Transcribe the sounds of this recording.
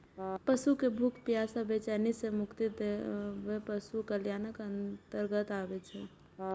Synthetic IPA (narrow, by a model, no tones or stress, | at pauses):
pəsukebʱukʰpjaːsəbʱet͡ʃɛnisemʊkt̪id̪eʋepəsukəljaːnəkə̃nt̪əɾɡət̪aːʋet͡ʃʰe